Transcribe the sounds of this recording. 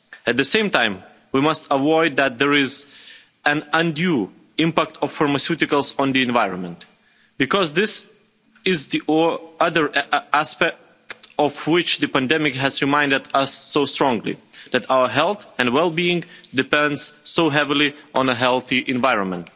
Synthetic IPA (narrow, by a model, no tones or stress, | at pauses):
ɨt̪̚ðɨsẽɪ̃mtãɪ̃m | wimʌstəwɔɪd̪̚ðæt̪̚ðə˞ɪz | ɨ̃nə̃ndju | ɪ̃mpæk̚tʰɔv̥fɑɹməsjʉtɨkəlˠsɔ̃n̩ðiɨ̃nvaɪɹə̃nmə̃nt | b̥ɨkɔzðɪs | ɪzðiʌðə˞æspɛk | tɔvwɪt͡ʃðɨpæ̃ndɛmɪkɦæzɹɨmãɪ̃ndɨdʌsːoʊstɹ̥ɔ̃ŋɡlḭðætawə˞ɦɛlˠθɨ̃ndwɛlˠbiɪ̃ŋdɨpɛ̃ndz̥soʊɦɛvilˠiʔə̃nəɦɛlˠθiʔɨ̃nvaɪɹə̃nmə̃nt̚